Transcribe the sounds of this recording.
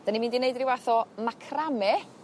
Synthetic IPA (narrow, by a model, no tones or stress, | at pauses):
d̥animiːndineɨdrɪwaθɔmakʰramɛ